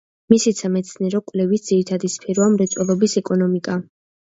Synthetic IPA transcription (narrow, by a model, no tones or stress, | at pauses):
misisʰamɛt̪sʰniɛɾɔkʼwlɛvisd̪z̥iɾit̪ʰad̪ispʰɛɾɔamɾɛt̪sʼwɛlˠɔbisɛkʼɔnɔmikʼa